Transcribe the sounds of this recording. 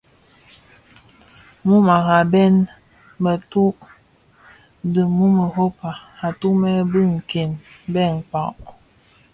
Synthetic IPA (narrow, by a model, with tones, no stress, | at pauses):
mu˦ma˨ɣa˨bɛ˦n | mə˨tu˦ʔ | də˨mu˦mə˨ɦo˦pa˨ha˨tu˦mɛ˦bə˦ŋ̩˨ke˨nbɛ˦˨ŋ˨k͡pa˨ʔ